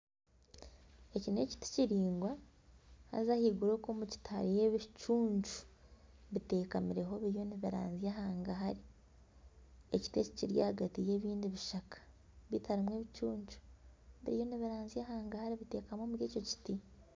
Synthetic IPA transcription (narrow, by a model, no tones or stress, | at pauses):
e̞cine̞̰ːci̥ti̥ciɾiːŋɡwa | ha̰zahiɡuɾo̞koːmuci̥tʰa̰ɾijeβit͡ʃuːɲd͡ʒu̥βite̞ːkamiɾe̞ɦo̞βiɾjo̞niβiɾa̰ːnzijaɦaːŋɡaɦaɾi | eci̥teci̥ciɾja̰haɡatije̞ːβiːndiβiʃakḁ | βitʰaɾimweːβit͡ʃuːɲd͡ʒu̥βiɾijo̞niβiɾaːnzijahaːŋɡahaɾiβite̞ːkamoːmuɾjeːco̞ci̥ti